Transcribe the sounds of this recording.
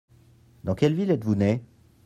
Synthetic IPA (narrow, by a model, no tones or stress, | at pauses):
d̪ɑ̃kʲɛlvilɛt̪vunɛ